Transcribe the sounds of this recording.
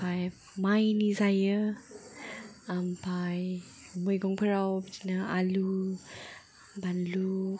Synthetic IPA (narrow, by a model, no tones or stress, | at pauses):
paj | majinizajə | ampaj | mujɡɔŋpəɾawbəd͡ʒinaa̰lu | banlu